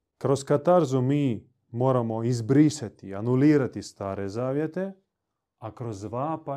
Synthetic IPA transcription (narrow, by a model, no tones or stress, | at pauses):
kɾo̞skat̪aɾzumiː | mo̞ːɾamo̞izbɾiʃat̪ianuliːɾat̪ist̪aːɾezaːʋje̞t̪e̞ | akɾo̞zʋaːpa